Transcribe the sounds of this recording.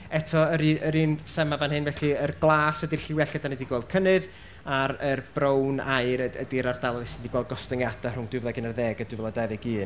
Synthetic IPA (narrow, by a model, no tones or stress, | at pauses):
ɛtʰɔəɾiəɾiːnθɛmavanhɨnvɛɬɨərɡlˠaːsɛdiɬɪwɛɬɡədanediɡwɔlˠd̚kʰənɨð | aɾərb̥rownajɾəə̰diɾardalˠɔðɪsndiɡwɔl̚ˠɡɔstənjadar̥ʊŋd̥wɨvðaɡənərðɛːɡədwɪvɛlˠadaðɛɡiːn